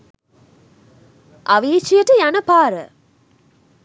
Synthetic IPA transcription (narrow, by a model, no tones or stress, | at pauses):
ʔaʋiːt͡ʃijəʈəjanəpaːɾə